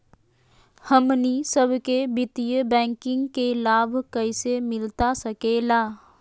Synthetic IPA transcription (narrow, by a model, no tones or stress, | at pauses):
həmnisəbʱkebɪt̪ijəbɛ̃ːŋkɪ̃ŋɡkelaːbʱkəɪsemɪlt̪asəkeːlaː